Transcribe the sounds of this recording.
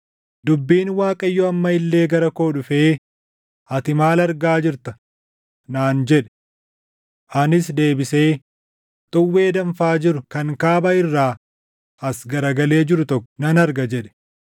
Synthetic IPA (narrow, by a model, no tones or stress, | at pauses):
d̪ʊbːiːnwaːkʼɐjːɔɐmːɐɪlːe̞ːɡɐɾɐko̞ːᶑʊfeː | ɐt̪ɪmaːlɐɾɡaːd͡ʒɪɾt̪ɐ | naːnd͡ʒɛᶑɛ̥ | ʔɐnɪs̬d̪e̞ːbɪse̞ː | t̪ʼʊwːe̞ːd̪ɐɱfaːd͡ʒɪɾʊkɐŋkaːbɐɪrːaː | ɐsɡɐɾɐɡɐle̞ːd͡ʒɪɾʊt̪ɔkːɔ̥nɐnɐɾɡɐd͡ʒɛᶑɛ̥